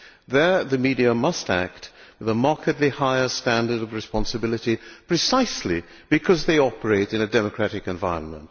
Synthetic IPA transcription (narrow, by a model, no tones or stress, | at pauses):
ðə˞ðɨmiɾiəmʌstæ̰k̚t̚wɨðəmɑɹkʰɨdˡlihaɪə˞stæ̃ndə˞ɾʌvɹɨspɑ̃nsɨbɪlˠɨɾipʰɹ̥ɨsaɪsli | b̥ɨkʰʌzðeɪɑpə˞eɪɾɨ̃nɨdɛmɨkʰɹ̥æɾɨkɨ̃ɱvaɪɹə̰̃nmə̰̃nt̚